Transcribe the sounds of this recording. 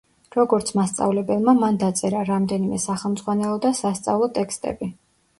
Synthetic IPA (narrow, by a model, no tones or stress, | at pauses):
ɾɔɡɔɾt̪sʰmast̪sʼa̰vlɛbɛlˠmamand̪at̪sʼɛɾaɾamd̪ɛnimɛsaχɛlˠmd̪zʁwanɛlˠɔd̪asast̪sʼa̰vlˠɔt̪ʼɛkst̪ʼɛ̰bi